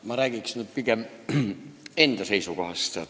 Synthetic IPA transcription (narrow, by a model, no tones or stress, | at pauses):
mɑræːˑkiksnyt̪̚pikem | ent̪æseisukɑhɑst̪ɑ